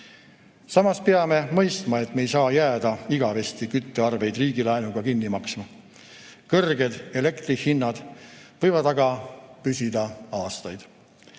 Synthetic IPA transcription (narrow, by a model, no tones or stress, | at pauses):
sɑmɑspeɑme̞mɤjst̪mɑe̞t̪ːme̞jsɑːjæːd̪ɑiɡ̥ɑve̞st̪ikyt̪ːeɑrve̞jd̪riːɡ̥ilɑjnuɡ̥ɑkinːimɑksmɑ | kɤrɡe̞d̪̥e̞le̞kt̪ɾihinːɑd̪̥vɤ̞jvɑd̪ɑɡɑpysʲid̪̥ɑɑːst̪ɑjd̪̥